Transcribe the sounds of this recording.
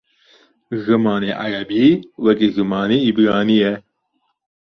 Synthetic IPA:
ɣɨmɑːneʔa̰ɾɐbiwɐkiɣɨmɑːneibɾɑːnijɛ

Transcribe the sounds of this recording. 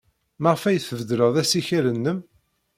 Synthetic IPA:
məʁfæjθəvd̪ləʁðæsiçiɾənːəm

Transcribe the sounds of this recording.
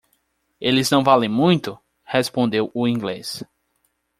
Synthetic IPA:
elɪznɐ̃w̃valẽj̃mũj̃t̪ʊ | hespõnd̪ewʊĩɡlḛs

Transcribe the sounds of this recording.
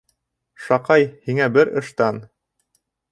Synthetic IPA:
ʃɑqɑjhiŋæbɘɾɤ̆ʃt̪ɑn

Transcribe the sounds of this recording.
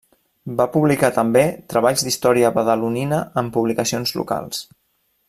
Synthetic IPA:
bapuβlikat̪əmbet̪ɾəβaʎzd̪ist̪ɔɾiəβəðəluninəəmpuβlikəsionzlṵka̰lˠs

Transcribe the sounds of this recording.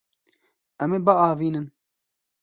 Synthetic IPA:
ɛmeːbɐɑːviːnɨn

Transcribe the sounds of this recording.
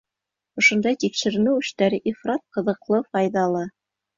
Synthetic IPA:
ŏʃŏnd̪ɑjt̪ikʃɘ̆ɾɘ̆nɘwɵ̆ʃt̪æɾɘʔifrɑt̪̚qɤ̆ðɤ̆qlˠɤfɑjðɑlˠɤ

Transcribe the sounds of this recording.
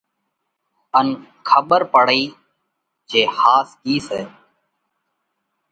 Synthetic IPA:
ən | kʰəɓəɾpəɽiː | d͡ʒeːhaːsɡiːseː

